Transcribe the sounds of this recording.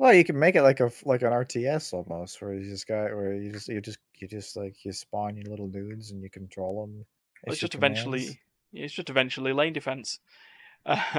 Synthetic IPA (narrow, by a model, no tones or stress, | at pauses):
wɛlˠjɨkɨd̚meɪkɨtlaɪkəflaɪkɨ̃nɑɹtʰiɛsɔlˠmoʊst̚wə˞ðʌsɡ̥ɑɪʔwə˞jɨd͡ʒʌsjə˞d͡ʒʌs | jə˞d͡ʒʌst̚ˡlaɪkʰjə˞spãɪ̃nə̃lɪɾl̩ˠnʉdzə̃njɨkʰn̩tʰɹ̥oʊlˠə̃m | ɪsd̥ʒ̥ʌstɪvɛ̃nt͡ʃl̩ˠḭ | ɪtsd̥ʒ̥ʌstɨvɛ̃nt͡ʃl̩ˠilẽɪ̃ndɨfɛ̃ns | ʔʌ